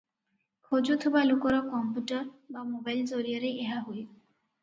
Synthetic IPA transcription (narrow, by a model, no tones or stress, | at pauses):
kʰod͡ʒut̪ʰubalokɔɾɔkɔmpuʈɔɾbamobajlzoɾijaɾeeɦaɦoj